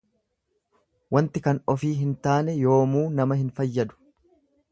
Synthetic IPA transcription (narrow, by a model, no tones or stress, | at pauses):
wɐnt̪ɪkɐnɔfiːɦɪnt̪aːnɛjo̞ːmuːnɐmɐhɪnfɐjːɐd̪ʊ̥